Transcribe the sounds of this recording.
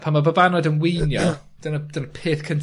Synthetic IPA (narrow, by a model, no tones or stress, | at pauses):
pʰanmabəbanɔjdənwijnjɔ | d̥ənəd̥ənəpʰeːθkʰən